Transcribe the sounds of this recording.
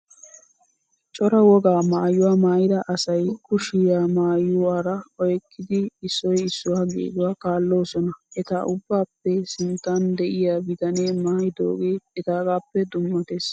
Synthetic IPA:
t͡ʃʼɔɾɐwɔɡaːmaːjːʊwaːmaːjɪd̪ɐʔɐsɐjkʊʃɪjaːmaːjːʊwaːɾɐɔjkːɪd̪ɪːsːɔjɪsːʊwaːɡḛːɡʊwaːkaːlːo̞ːsɔnɐʔɛt̪aʔʊbːaːpːɛsɪnt̪aːnd̪ɛʔɪjaːbɪt̪ɐneːmaːjd̪o̰ːɡeːɛt̪aːɡaːpːɛd̪ʊmːɔt̪eːs

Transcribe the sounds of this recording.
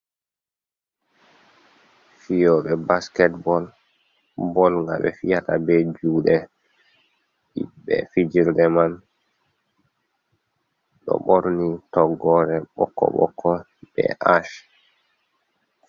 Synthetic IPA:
fijɔːɓɛbaskɛtbɔl | bɔlŋɡa̰ɓɛ̰fijatabɛd͡ʒuːɗɛ | ɗibɛ̰fid͡ʒiɾdɛman | ɗɔ̰ɓɔɾnitɔɡɔɾɛɓɔ̰kːɔ̰ɓɔ̰kʰːɔ | bɛ̰ʔaʃ

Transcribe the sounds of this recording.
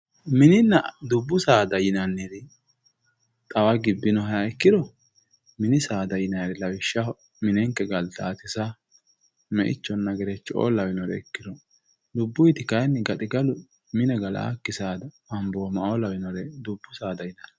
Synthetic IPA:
mɪnɪnːɐd̪ʊbːʊsaːd̪ɐjɪnɐnːiɾɪ | t̪ʼɐwaɡɪbːɪnɔɦɐjaɪkːɪd̪ɔ | mɪnɪsaːd̪ɐjɪnɐjɾɛlɐwɪʃːɐ | mɪnɛŋkːɛɡɐlt̪ɐːt̪ɪsa | mɛ̰ʔɪ̰t͡ʃːɔnːɐɡɛɾɛt͡ʃːo̰ːlɐwɪnɔɾɛ̰ɪkːɪd̪ɔ | d̪ʊbːʊjt̪ɪkɐjnːɛɡɐt̪ʼɪɡɐlʊ | mɪnɛɡɐla̰kːɪsaːd̪ɐ | ɐmboːmɐʔolɐwɪnɔɾɛd̪ʊbːʊsaːd̪ɐjɪnɐn

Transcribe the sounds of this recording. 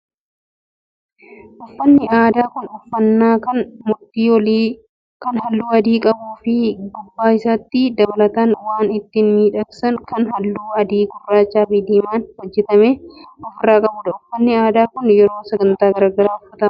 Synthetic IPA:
ʔɔfːɐnːɪaːd̪aːkʊnɔfːɐnːaːkɐnmʊt̪ːiːwli | kɐnhɐlːuːɐd̪iːkʼɐbuːfɪɡʊbːaːɪsaːt̪ːɪd̪ɐbɐlɐt̪anwaːnɪt̪ːɪnmiːᶑɐksɐnkɐnɦɐlːuːɐd̪iːɡʊrːaːt͡ʃːaːbɪd̪iːmaːnwɔd͡ʒːɛt̪ɐmeːʔɔfɪrːaːkʼɐbʊᶑ̪ɐʊfːɐnːɪaːd̪aːkʊnjɛɾo̞ːsɐɡɐnt̪aːɡɐɾaːɡɐɾaːʊfːɐt̪ɐ

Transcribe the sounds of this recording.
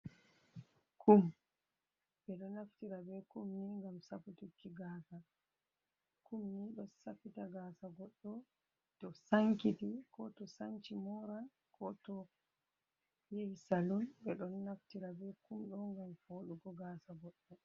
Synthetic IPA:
kʰum | ɓɛɗɔnaftiɾabɛkumːiŋɡamsaputukːiɡaːsa | kumniɗɔsafitaɡaːsaɡɔɗːɔ | tɔsaŋkitikɔtɔsaŋt͡ʃimɔɾa | kʰɔtɔ | jejsalɔnɓɛɗɔnːaftiɾabɛkumɗɔŋɡamfoːɗuɡɔɡaːsaɡɔɗːɔ

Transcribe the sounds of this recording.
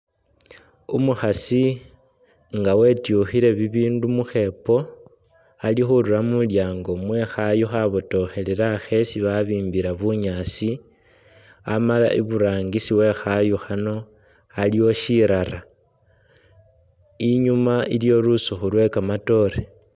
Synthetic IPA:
umuxasi | ŋɡawe̞tjuxiɾe̞βiβiːndumuxe̞po̞ | alixuɾuramuljaːŋɡo̞mwe̞xajuxaβoto̞xe̞leɾaxe̞siβaβiːmbiɾaβuɲasi | amala̰ʔiβuɾaːŋɡisiwe̞xajuxano̞ | aliwo̞ʃiɾaɾa | iɲumailjo̞ɾusuxulwe̞kamato̞ɾe

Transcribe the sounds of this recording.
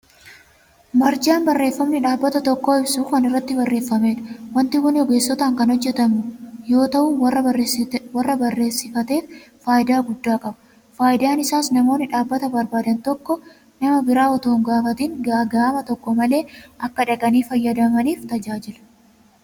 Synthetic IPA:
mɐɾd͡ʒaːnbɐrːe̞ːfːɐmnɪᶑaːbːɐt̪ɐt̪ɔkːo̞ːɪbsuːkɐnɪrːɐt̪ːɪbɐrːe̞ːfːɐme̞ːᶑɐ̥wɐnt̪ɪwɐnɔɡe̞ːsːɔt̪aːŋkɐnhɔd͡ʒːɛt̪ɐmʊjo̞ːt̪ɐʔuːwɐːɐwɐrːɐbɐrːe̞ːsːɪfɐt̪e̞ːfː | aːjɪd̪aːɡʊd̪ːaːkʼɐbɐ̥ | faːjɪd̪aːnɪsaːsnɐmo̞ːnːɪᶑaːbːɐt̪ɐbɐɾbaːd̪ɐnt̪ɔkːɔ | nɐmɐbɪɾaːɔt̪oːŋɡaːfɐt̪iːŋɡaːɡaːmɐt̪ɔkːɔmɐle̞ːʔɐkːɐᶑɐɡɐniːfɐjːɐd̪ɐmɐniːft̪ɐd͡ʒaːd͡ʒɪlɐ̥

